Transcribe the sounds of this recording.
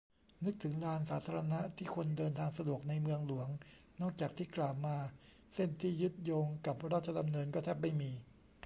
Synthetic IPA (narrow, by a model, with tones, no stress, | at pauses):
nɯ˦˥k̚t̪ʰɯ˩˦ŋlaː˧nsaː˩˦t̪ʰaː˧ɾa˧na˦˥t̪ʰiː˥˩kʰo˧ndɤː˧nt̪ʰaː˧ŋsa˧du˨˩ək̚na˧jmɯ˧əŋlu˩˦ɐŋ | nɔː˥˩k̚t͡ɕaː˨˩k̚t̪ʰiː˥˩klaː˨˩wmaː˧ | se˥˩nt̪ʰiː˥˩jɯ˦˥t̪̚joː˧ŋka˨˩p̚ɾaː˥˩t̪̚t͡ɕʰa˧da˧mnɤː˧nkɔː˥˩t̪ʰɛː˦˥˩p̚ma˥˩jmiː˧